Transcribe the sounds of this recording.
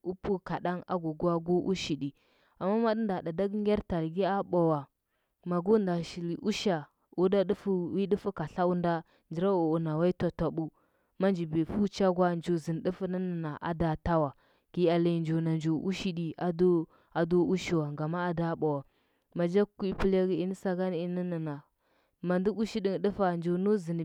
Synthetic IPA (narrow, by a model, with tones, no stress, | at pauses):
u˦pu˦ka˨ɗa˦na̰˦ɡu˨ɡu˦a˦ɡu˦ʔṵ˦ʃi˨di˨ | a˨mːa˦ma˦də˦nda˨da˨da˦ɡŋɡʲe˦ɾta˨ɾɡi˦a˦ɓa˨wa˨ | ma˨ɡu˦nda˨ʃi˨li˨ʔu˦ʃa˨ | u˦da˦di˦fu˦wi˦di˦fu˦ka˨ɬa˦u˦nda˦ | nd͡ʒi˨ɾa˦u˨u˨na˨wa˦i˦ta˨ta˨ɓu˦ | ma˦nd͡ʒi˨bi˨fu˦t͡ʃa˦ɡʷa˦nd͡ʒo˨zi˨n˨ɗi˦fə˦nə˦nə˨na˨ʔa̰˨da˨ta˦wa˨ | ɡ̥i˦a˨la˦˨nd͡ʒo˨na˨nd͡ʒo˨ʔu˦ʃi˦di˨a˦d | a˨do˦u˦ʃi˨wa˨ŋɡa˨ma˦a˨da˦ɓa˨wa˨ | ma˨d͡ʒa˦ku˦i˦pi˦la˦ɡi˦i˦ni˦sa˦ɡa˦n˦i˦ni˦nə˨na˨ | ma˨ndi˦u˦ʃi˦di˨ŋ˨də˦fa˨nd͡ʒo˨nu˦zi˨n˨